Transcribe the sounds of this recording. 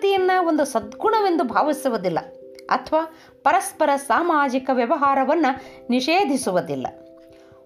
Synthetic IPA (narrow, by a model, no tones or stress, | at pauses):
t̪ijɐnːɐond̪usɐd̪̚ɡuɳɐʋe̞nd̪ubʱaːʋisuʋud̪ilːɐ̰ | ɐ̰t̪ʰʋaː | pɐɾɐspɐɾɐsaːmaːd͡ʒikɐʋjɐʋɐɦaːɾɐʋɐnːɐniʂeːd̪ʱisuʋud̪ilːɐ̰